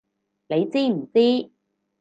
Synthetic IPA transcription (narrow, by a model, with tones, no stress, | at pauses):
ne˨˧jt͡siː˥m̩˨˩t͡siː˥